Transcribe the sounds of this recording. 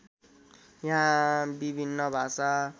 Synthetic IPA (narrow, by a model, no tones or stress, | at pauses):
jaɦãbibʱinːʌbʱasa